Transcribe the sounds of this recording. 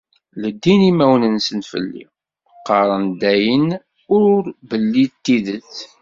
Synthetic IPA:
ləd̪ːinimæwnənsənfə̰lːḭ | qːɑɾˤənd̪æjən | ʊɾbəlːit̪ːiðəθ

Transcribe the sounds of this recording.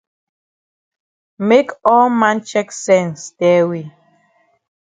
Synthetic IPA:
mekɔlmãnt͡ʃɛksɛ̃nsd̥ɛwi

